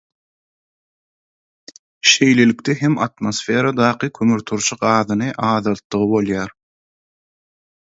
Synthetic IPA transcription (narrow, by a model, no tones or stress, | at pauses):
ʃe̞jle̞likt̪eɦemɑt̪mo̞sfe̞ːɾɑd̪ɑːqɨkʰømyɾt̪ʰuɾʃuqɑːðɯnɯʔɑːðɑlˠt̪ːɯʁɯbo̞lˠjɑːɾ